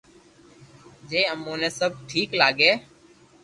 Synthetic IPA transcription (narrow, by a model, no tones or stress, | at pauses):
d͡ʒeːəmoːnẽːsəb̚ʈʰiːklaːɡeː